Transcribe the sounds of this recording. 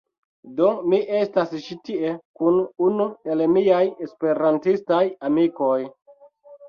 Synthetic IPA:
do̞miʔe̞stasʃitie̞kununuelemiajespe̞ɾantistajamiko̞j

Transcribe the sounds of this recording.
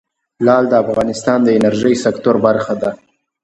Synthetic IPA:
lɑld̪əafɣɑnɪst̪ɑnd̪əɪnaɾʒəjsakt̪oɾbaɾxad̪a

